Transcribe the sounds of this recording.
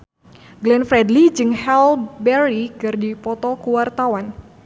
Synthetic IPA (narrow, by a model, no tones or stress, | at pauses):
ɡlɛnfɾɛdlid͡ʒɨŋhɛlbɛɾikɨrdipɔt̪ɔkuwart̪awan